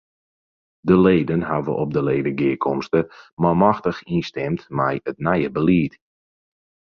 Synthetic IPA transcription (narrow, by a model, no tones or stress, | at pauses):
dəleːdənhavə̰ʔɔp̚dəleːdəɡɪəkʰɔmstəmamaxtəxinstɛmtmɛjətnɛjəbəliːt